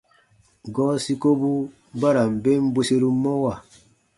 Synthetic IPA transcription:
ɡɔ˦si˦ko˦bu˦ | ba˦ɾa˨m̩˨be˦m˦bo˦se˦ɾu˦mɔ˦wa˨

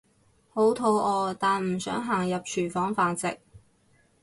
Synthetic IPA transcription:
ho˨˥wt̪ʰo˨˧˥wʔɔː˧t̪aː˨nm̩˨˩sœː˨˥ŋɦaː˨˩ŋjɐ˨p̚t͡ʃʰyː˨˩fɔː˨˥ŋfaː˨˧nt͡sɪ̰˨k̚

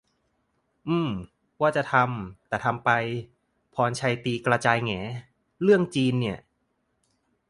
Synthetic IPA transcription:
ʔɯː˧˩m | waː˥˩t͡ɕa˨˩t̪ʰa˧mt̪ɛː˨˩t̪ʰa˧mpa˧j | pʰɔː˧nt͡ɕʰa˧jt̪iː˧kɾa˧t͡ɕaː˧jŋɛː˩˦ | ɾɯ˥˩əŋt͡ɕiː˧nːi˥˩ɐ

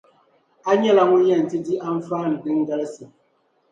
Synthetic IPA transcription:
a˦ɲɛ˦la˨ŋu˦jɛ˦˨n̩˨ti˦di˦ʔa˦m̩˦faː˦˨n̩˨di˦ŋ˦ɡɛ˦lsi˨

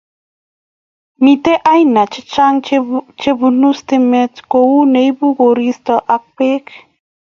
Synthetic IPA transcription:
mit̪e˦ʔa˦jna˨t͡ʃe˦t͡ʃaŋt͡ʃe˦bunu˦st̪eme˦t̪kowu˦nejbu˦ɣoɾist̪aʔa˦k̚pe˦k

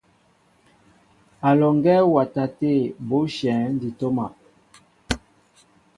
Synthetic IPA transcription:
a˨lɔ˨ŋɡɛ˦wa˨ta˨te˦˨bo˦ʃɛ̃˨˦n˦di˨to˦ma˨

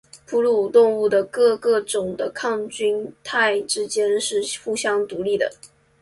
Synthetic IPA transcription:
pʰu˥lu˥˩˨t̪ʊ˥˧ŋu˥˩d̪ə˩kɤ˥˧kɤ˥˩ʈ͡ʂʊ˨˩ŋd̪ə˦kʰɑ˥˩ŋt͡ɕy˥nt̪ʰa˥˩ɪʈ͡ʂɻ̩˥t͡ɕjɛ˥nʂɻ̩˥˧xu˥˩ɕjɑ˥ŋt̪u˧˥li˥˩d̪ə̰˩

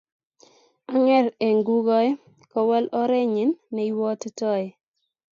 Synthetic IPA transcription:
a˦ŋɛ˦ɾe˨ŋɡu˦ɡɔ˦ɛ˦ | kɔ˦wɛ˦lɔ˦ɾe˦ɲi˨nːɛ˨iwɔ˦ttɔ˦ɛ˨

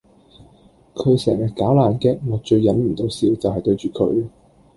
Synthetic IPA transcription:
kʰɵ˨˧ɥsɛ̰ː˨˩ŋjɐ˨t̚kaː˨˥wlaː˨˩nkɛː˧ŋɔː˨˥t͡ʃɵ˧ɥːɐ˨˥nm̩˨˩t̪o˨˥wsiː˨˧˥wt͡sɐ˨wɦɐ˨jt̪ɵ˧ɥt͡ʃyː˨kʰɵ̰˨˧˥ɥ

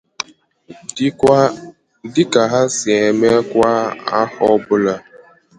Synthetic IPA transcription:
dɪ˦ka˨ɦa˦sɪ˨e˨me˦kʷa˦a˦hɔ˦bʊ˦la˦

